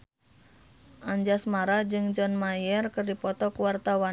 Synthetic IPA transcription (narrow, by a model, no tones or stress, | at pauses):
ʔaɲd͡ʒasmaɾad͡ʒɨŋd͡ʒɔnmajɛrkɨrdipɔt̪ɔkuwart̪awa